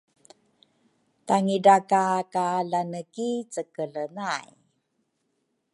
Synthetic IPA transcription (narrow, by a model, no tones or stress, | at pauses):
taŋiɖakakaɮanəkit͡səkəɮənaj